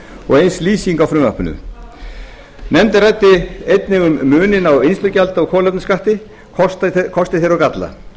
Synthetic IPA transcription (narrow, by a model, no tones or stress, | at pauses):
ɔ̰ɣejnsliːsiŋkawfɾʏmvahpʏnʏ̰ | nɛmt̪ɪrajt̪ːɪejt̪nɪɣʏmːʏːnɪnawejnst̪ʏcalt̪aɔɣkʰɔːlɛp̪̚nɪskaht̪ɪ | kʰɔst̪kʰɔst̪ɪθejɾawkat̪la̰